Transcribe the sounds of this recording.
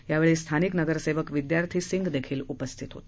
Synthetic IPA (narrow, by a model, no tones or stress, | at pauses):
jaʋeɭest̪ʰaniknəɡəɾseʋəkʋid̪jaɾt̪ʰiːsiŋɡd̪ekʰiːlupəst̪ʰit̪ɦo̰t̪